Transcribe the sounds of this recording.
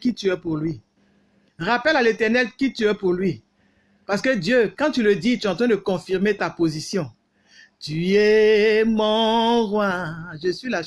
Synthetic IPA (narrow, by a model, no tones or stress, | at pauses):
kit̪yɛpuʁlɥi | ʁapɛlalet̪ɛʁnɛlkit̪yɛpuʁlɥi | paʁsə̥kəd̪jøkãt̪yləd̪it̪yɛɑ̃t̪ʁɛ̃d̪əkɔ̃fiʁmet̪apozisjɔ̃ | t̪yɛmɔ̃ʁwaʒəsɥila